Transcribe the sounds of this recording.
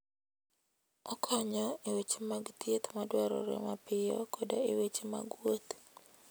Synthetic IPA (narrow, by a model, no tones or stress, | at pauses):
ɔkʰɔɲɔiwet͡ʃemaɡt̪jet̪madwɛɾɔ̰ɾɛ̰mapɪjɔ̰kʰodoiwet͡ʃema̰ɡwot̪